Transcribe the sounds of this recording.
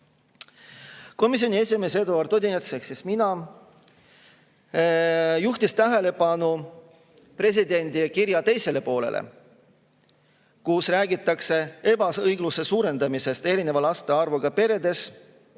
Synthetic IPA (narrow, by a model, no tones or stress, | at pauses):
ko̞mis̬jo̞nʲie̞sʲimeːsed̪uɑɾt̪o̞d̪ʲinet̪seksisminɑ | juht̪ist̪æɦæle̞pɑnu | pre̞s̬id̪e̞nʲd̪ikiɾjɑt̪e̞jse̞le̞po̞ːle̞̰lʔḛ | kusræːɡit̪ːˑɑkse̞e̞bɑsɤjɡluse̞suːɾe̞nd̪ɑmise̞st̪e̞ɾine̞vɑlɑst̪eɑrvuɡ̥ɑpe̞ɾe̞d̪e̞s